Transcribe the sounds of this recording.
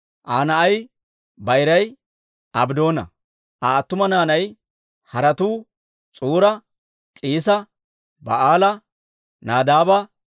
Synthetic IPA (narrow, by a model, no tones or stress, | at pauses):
ʔaːnɐɐj | bɐjɾɐj | ɐbd̪o̞ːnɐ̰ | ʔaːt̪ːʊmɐnaːnɐj | hɐɾɐt̪uː | t͡sʼuːɾɐ | kʼiːs̬ɐ | bɐ̰ʔaːlɐ | naːd̪aːbɐ